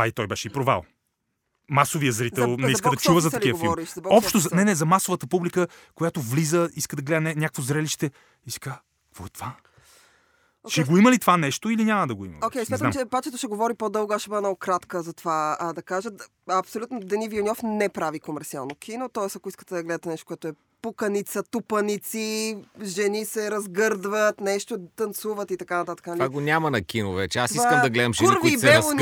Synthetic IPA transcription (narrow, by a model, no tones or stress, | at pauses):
ait̪ɔjbɛʃɛipɾova̰lˠ | masovijəzɾiɛlˠnɛiskəd̪ɐt͡ʃuvəzɐt̪ɐkiəfvilˠɾiʃzɐbɔpʃt̪ozɐnɛnɛzɐmasovət̪əpublikəkojat̪ovlizəiskəd̪ɐɡlɛd̪ənɛnʲjakvozɾɛliʃt̪ɛ | isi̥ka | kvɔɛt̪ova | ʃɛɡoiməlit̪ovanɛʃt̪oilinʲamɐd̪ɐɡoḭmɐ̰okʲɛjsmʲaamt͡ʃɛpat͡ʃɛt̪oʃɛɡovɔɾipod̪ɤlˠɡaʃɛbənɔɡʊkɾat̪kəzɐt̪ovaəd̪ɐkaʒət̪ | ɐpsolʲut̪nod̪ɛnivionʲɔfnɛpɾavikomɛɾt̪sia̰lˠnokʰinot̪ɔɛsɐkoiskə̥t̪ɛd̪ɐɡlɛd̪ət̪ɛnɛʃt̪o̥kʊɛt̪oɛ | pukənit̪sət̪upənit̪siʒɛnisɛɾɐzɡɤɾd̪vət̪nɛʃt̪ot̪ɐnt̪suvət̪it̪ɐkanɐt̪at̪ə̥kənɐlaɡonʲamɐnɐkinovɛt͡ʃɛasivsakəmd̪ɐɡlɛd̪əmʃɡuɾviɛvo